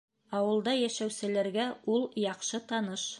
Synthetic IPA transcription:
ɑwɤ̆lˠd̪ɑjæʃæwsɘ̆læɾɡæulˠjɑqʃɤt̪ɑnɤʃ

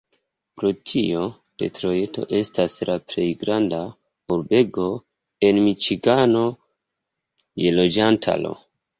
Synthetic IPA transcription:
pɾo̞tʰio̞ | d̥e̞̰tɾo̞je̞to̞̰ʔe̞staslaple̞jɡɾanda | uɾbe̞ɡo̞ | e̞nmit͡ʃiɡano̞ | je̞lo̞d͡ʒantʰa̰lo̰

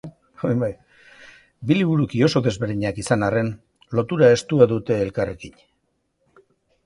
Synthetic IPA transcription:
bajβaj | biliβ̞uɾukio̞so̞ðe̞zβe̞ɾðiɲakisanare̞n | lo̞t̪uɾae̞st̪uaðut̪e̞ːlkare̞kiɲ

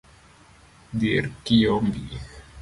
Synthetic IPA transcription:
d̪iɾkiombi

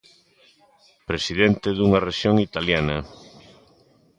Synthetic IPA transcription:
pɾesiðent̪eðuŋareʃjoŋit̪aljana

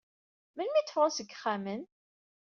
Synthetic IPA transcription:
məlmiθfɾˤɑsəɡːχːamən

